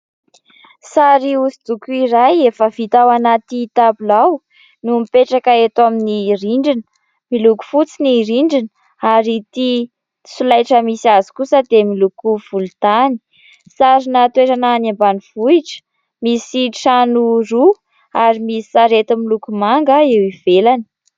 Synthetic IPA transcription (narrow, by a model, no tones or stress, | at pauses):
saɾiuzid̪ukuiɾajefəvit̪awanat̪it̪abulaw | numipeʈ͡ʂakəet̪aminiɾiɳɖ͡ʐinə | miluku̥fut͡siniɾiɳɖ͡ʐinə | aɾit̪i | sulajʈ͡ʂəmisiazi̥kusəd̪emilukuv̥ult̪ani̥ | saɾinət̪weɾananambaniv̥uiʈ͡ʂə̥ | misiʈ͡ʂanuru | aɾimisi̥saɾet̪amilukumaŋɡaewiv̥elani̥